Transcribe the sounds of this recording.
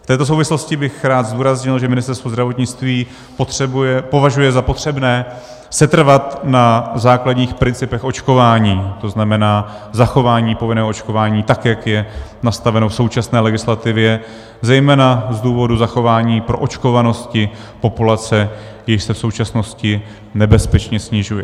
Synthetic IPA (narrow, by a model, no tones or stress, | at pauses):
ft̪ɛːt̪o̞s̬o̞wvɪslo̞scɪbɪxɾaːt̪zduːɾazɲɪlʒɛmɪnɪst̪ɛɾst̪vozdɾavo̞t̪ɲɪt͡st̪viː | pot̪rɛbɛpo̞vaʒujɛzapo̞t̪r̝̥ɛbnɛː | sɛt̪r̩vat̪nazaːkladɲiːxpɾɪnt͡sɪpɛxʔo̞t͡ʃko̞vaːɲiːt̪o̞znamɛnaː | zaxo̞vaːɲiːpo̞vɪnɛːɦoʔot͡ʃko̞vaːɲiːt̪akjakjɛnast̪avɛnofso̞wt͡ʃasnɛːlɛɡɪslat̪ɪvjɛ | zɛjmɛːnazduːvo̞duzaxo̞vaːɲiːpɾo̞ʔot͡ʃko̞vano̞scɪ | po̞pulat͡sɛ | jɪʃsɛfso̞wt͡ʃasno̞scɪ | nɛbɛspɛt͡ʃɲɛsɲɪʒujɛ